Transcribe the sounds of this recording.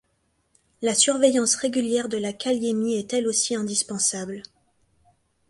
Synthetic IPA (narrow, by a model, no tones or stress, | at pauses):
lasyʁvejɑ̃sʁeɡʲyljɛʁd̪əlakʲaljemiɛt̪ɛlosiɛ̃d̪ispɑ̃sabl